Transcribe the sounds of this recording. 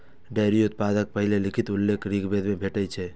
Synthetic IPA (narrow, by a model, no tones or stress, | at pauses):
ɖaːɾijot̪̚paːd̪ək̚pəɦɪlelɪkʰɪt̪ʊlːeːkɾiːkʰbeːd̪mẽbʱeːʈəit͡ʃʰɛː